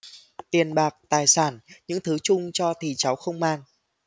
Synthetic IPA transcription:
t̪i˨˩ənɓaː˨˩k̚t̪aː˨˩jsaː˧˩nɲɨ̰˧˥ŋt̪ʰɨ˨˦t͡ɕʊ˧ŋ͡mt͡ɕɔ˧t̪ʰi˨˩t͡ɕa˨˦wxə˧wŋ͡mmaː˧n

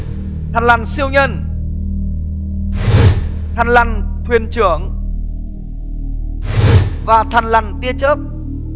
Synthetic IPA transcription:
t̪ʰa˨˩ŋla˨˩nsi˧əwɲə˧n | t̪ʰa˨˩ŋla˨˩ŋt̪ʰwi˨˩ənt͡ɕɨ˧˩əŋ | vaː˨˩t̪ʰa˨˩ŋla˨˩ŋt̪i˧ət͡ɕəː˦˥p̚

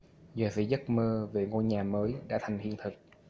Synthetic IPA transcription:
zəː˨˩sḭ˧˥˦zə˦˥t̚məː˧ve˨˩ŋo˧jɲaː˨˩məː˨˦jɗa̰ː˧˥t̪ʰa˨˩jŋhḭ˧˨ənt̪ʰɨ˨˩k̚

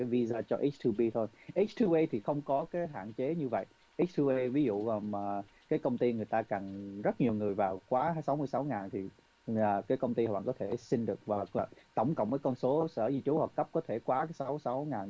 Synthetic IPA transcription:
aː˨˦jvi˧zaː˧t͡ɕɔ˧ʔə˦˥t̪ʰu˧ɓi˧t̪ʰo˧jʔə˦˥t͡ɕt̪ʰu˧ʔi˧t̪ʰi˨˩xə˧wŋ͡mkɔ˨˦kaː˨˦jɦa̰ː˧˨nt͡ɕe˨˦ɲɨ˧və̰˧˨j | ʔə˦˥t̪ʰu˧ʔi˧vi˨˦zṵ˧˨˩mː˨˩ | kaː˨˦jkə˧wŋ͡mt̪i˧ŋɨ˨˩əjt̪aː˧ka˨˩nzə˦˥t̚ɲi˨˩əwŋɨ˨˩əjvaː˨˩wkwaː˨˦˧sa˨˦wmɨ˧əjsa˨˦wŋaː˨˩nt̪ʰi˨˩ | əː˨˩kaː˨˦jkə˧wŋ͡mt̪i˧˨˩wa̰ː˧˨˩kɔ˨˦t̪ʰe˧˩si˧ŋɗɨ˨˩ək̚vaː˨˩˨t̪ə˧˩wŋ͡mkə̰˧˨wŋ͡mməː˨˦kɔ˧nso˨˦sə̰ː˧˩zi˧t͡ɕu˨˦hwɔ˨˩kːə˦˥p̚kɔ˨˦t̪ʰe˧˩kwaː˨˦ka˨˦jsa˨˦wsa˨˦wŋaː˨˩n

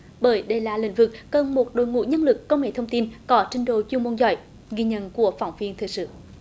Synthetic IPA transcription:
ɓəː˧˩jɗe˧˩laː˨˩lḭ̈˧˥ŋ̟vɨ˨˩k̚ːə˨˩nmo˨˩t̚ɗo̰˧˨jŋṵ˧˨˥jɲə˧nlɨ˨˩kːə˧wŋ͡mŋḛ˧˩t̪ʰwŋ͡mt̪i˧nkɔ˨˦t͡ɕï˧˩ŋ̟ɗo˧˨t͡ɕi˧mu˧nzɔ̰˧˨j | ɣi˧ɲə̰˧˨nku˧˩əfa˧˩˦wŋ͡mvi˧ənt̪ʰɨ˨˩k̚sɨ̰˧˨

